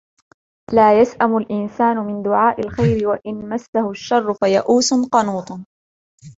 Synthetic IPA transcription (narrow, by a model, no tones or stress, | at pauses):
laːjasʔamʊlʔɪnsaːnʊmɪnd̪ʊʕaːʔɪlxajɾɪwaʔɪnmasːahʊʃːɑrˤːʊfajaʔuːsqɑnuːt̪ˤ